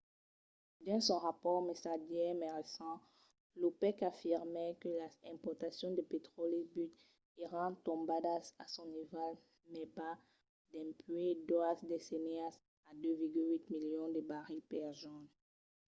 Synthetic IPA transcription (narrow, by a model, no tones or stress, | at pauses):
d̪ɛ̃sɔ̃ʁapɔʁmesaʒjɛmɛʁesɑ̃ | lopɛkafiʁmɛkəlaɛ̃pɔʁt̪asjɔ̃d̪əpet̪χɔlebyt̪ | eʁɑ̃t̪ɔ̃bad̪asasɔ̃nival | mɛba | d̪ɛ̃pɥed̪wasd̪eseneas | ad̪øviʁɡylwit̪miljɔ̃d̪əbaʁipɛʁʒɔn